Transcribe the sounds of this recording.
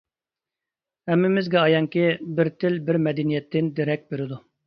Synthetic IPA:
hɛmːɪmɪzɡʲɛɑjɑŋkʲibɪɾt̪ʰɪlbɪɾmɛd̪ɛnijɛt̪ʰːɪnd̪eɾɛk̚ʲbeɾɪd̪u

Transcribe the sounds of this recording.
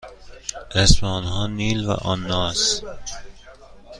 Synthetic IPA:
ʔesmeːnɦɒːniːlvæ̰ʔɒnːɒːs

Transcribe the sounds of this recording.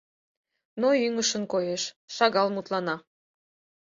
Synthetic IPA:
noyŋəʃənkojeʃ | ʃɑɣɑlmut̪lɑnɑ

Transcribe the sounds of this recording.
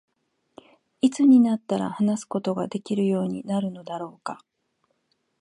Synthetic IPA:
it͡sɨɲ̟inat̪ːaɾa̰hanasɨ̥ko̞t̪o̞ɡad̪e̞kʲiɾɯ̟jo̞ːɲ̟inaɾɯ̟no̞d̪aɾo̞ːka

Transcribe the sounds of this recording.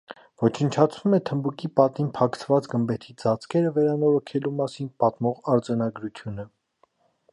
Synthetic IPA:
vɔt͡ʃʰənt͡ʃʰɑt͡sʰvumɛt̪ʰəmbukipɑt̪inpʰɑkʰt͡sʰvɑt͡sɡəmbɛt̪ʰid͡zɑt͡sʰkɛɾəvɛɾɑnɔɾɔkʰɛlumɑsinpɑt̪mɔʁɑɾd͡zɑnɑɡɾut͡sʰjunə

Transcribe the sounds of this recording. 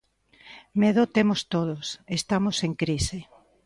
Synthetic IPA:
meðot̪emost̪oð̞osest̪amoseŋkɾise

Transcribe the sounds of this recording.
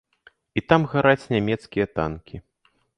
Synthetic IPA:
it̪amɣaɾat͡sʲnʲamʲɛt̪skʲijɐt̪a̰nkʲʰi

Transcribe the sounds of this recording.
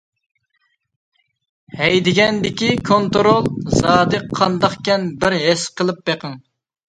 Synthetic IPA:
hɛjd̪ɪɡʲɛnd̪ɪkʲikʰont̪ɾolˠzɑːd̪ɨqʰːɑnd̪ɑχkʲɛnbɪɾɦɛsqʰəlˠɨp̚beqʰəŋ

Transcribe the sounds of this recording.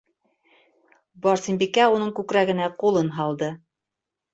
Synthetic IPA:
bɑɾsimbikæunɤɴkʉkɾæɡɘ̆næqulˠɤnɦɑlˠd̪ɤ

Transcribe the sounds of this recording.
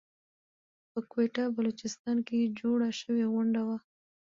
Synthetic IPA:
pəkweʈabalot͡ʃɪst̪ɑnked͡ʒoɽaʃəweɣʊɳɖawa

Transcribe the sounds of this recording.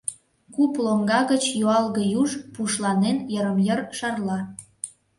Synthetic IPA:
kuploŋɡɑɣət͡ɕjoɑlɣə̆juʒpuʃlɑnenjəɾəmjərʃɑrlɑ

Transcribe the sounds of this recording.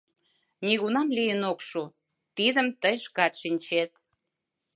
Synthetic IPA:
nʲiɣunɑmlijənokʃu | t̪id̪ə̆mt̪əjʃkɑt̪ʃinʲt͡ɕet̪

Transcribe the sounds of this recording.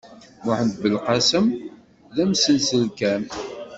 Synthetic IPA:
mʊħənd̪bəlqɑsəm | ðæmsənsəlkæn

